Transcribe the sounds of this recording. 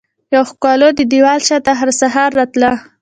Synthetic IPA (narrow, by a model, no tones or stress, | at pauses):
jawxkɑlod̪əd̪iwɑlʃɑt̪aɦaɾsaɦɑɾːɑt̪la